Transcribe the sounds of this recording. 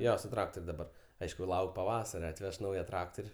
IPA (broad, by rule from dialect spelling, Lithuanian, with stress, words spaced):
ˈjoː sʊ trɐktoːrʲ dɐˈbɐr ˈɐɪʃkʊ ˈlˠɐʊkʲ pɐˈʋɑːsɐrʲɛ ɐtʲˈʋʲɛʃ ˈnɐʊjɛ ˈtrɑːktoːrʲ